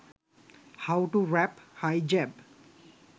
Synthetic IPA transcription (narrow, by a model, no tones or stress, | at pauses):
hawʈuɾɛphajd͡ʒɛb